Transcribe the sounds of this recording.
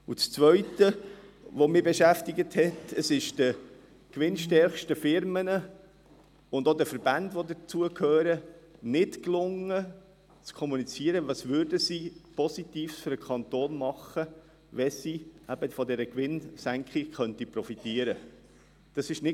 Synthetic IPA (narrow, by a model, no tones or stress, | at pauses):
ut͡st͡sʋœʏtə | ʋomɪbɛʃæftɪɡəthɛtəsɪʃd̥ə | kʋɪnʃtɛɾχʃtəfɪɾmənə | ʊndodəfəɾbændʋodət͡suəkhøːɾənɪtklʊŋə | t͡skʰɔmunit͡siəɾəʋɑsʋʏɾdəsipɔsitiːfsfʏɾəkʰɑnt̪oːnmɑχə | ʋɛsiæbəfɔdɛɾəkʋɪnsæŋkχiχœntipɾɔfitiəɾə | d̥ɑsɪʃnɪ